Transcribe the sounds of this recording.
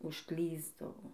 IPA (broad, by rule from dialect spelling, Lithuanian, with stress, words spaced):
ʊʃˈklʲiːzdɐʋoː